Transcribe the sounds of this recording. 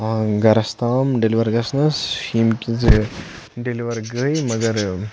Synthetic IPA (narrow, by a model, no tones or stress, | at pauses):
ɡɐɾɐst̪aːmɖeliʋɐɾɡɐsnɐsimkʲid͡z | ɖeliʋɐɾɡəjmɐɡɐɾ